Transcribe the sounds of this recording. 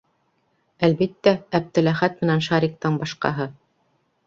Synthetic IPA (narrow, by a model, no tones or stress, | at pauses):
ælbit̪ːæːb̚t̪ɘ̆læχæt̪mɘ̆nænʃɑɾʲiq̚t̪ɤɴbɑʃqɑ̰ɦɤ